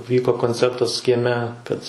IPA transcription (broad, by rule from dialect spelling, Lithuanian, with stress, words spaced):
ˈʋʲiːkoː koːnʲˈt͡sʲɛrtɐs kʲiɛˈmʲɛ ˈkɐt